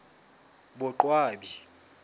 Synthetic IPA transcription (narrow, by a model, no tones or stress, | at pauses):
ɓɔǃwaːɓi